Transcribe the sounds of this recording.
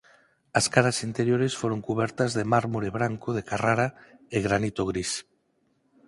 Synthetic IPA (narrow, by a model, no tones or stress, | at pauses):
ɐskaɾasint̪eɾjoɾesfoɾoŋkuβɛɾt̪azðemaɾmuɾeβ̞ɾaŋkoðekaraɾaeɣɾanit̪oɣ̞ɾis